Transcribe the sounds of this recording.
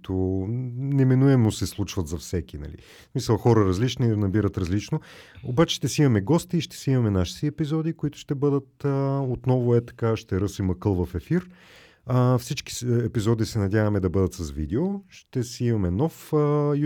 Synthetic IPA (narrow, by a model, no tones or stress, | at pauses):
t̪o | nɛminuɛmosɛslˠut͡ʃvɐt̪zɐfsɛk̟ʲinɐ̰lḭ | smisəlˠxɔɾəɾɐzlit͡ʃninɐbiɾət̪ɾɐzlit͡ʃno | obat͡ʃɛ̥ʃt̪ɛsiimɐmɛɡɔst̪iːʃt̪ɛ̥siimɐmɛnaʃi̥t̪iɛpizɔd̪ikoit̪ʊ̥ʃt̪ɛbɤd̪ət̪əot̪nɔvʊɛt̪ɐ̥kaʃt̪ɛɾɤsimɐkɤlˠvɐfɛfiɾ | əfsit͡ʃki̥ɛpizɔd̪isɛnɐd̪ʲavɐmɛd̪ɐbɤd̪ət̪sɐsvḭd̪ɛoʃt̪ɛsiimɐmɛnɔf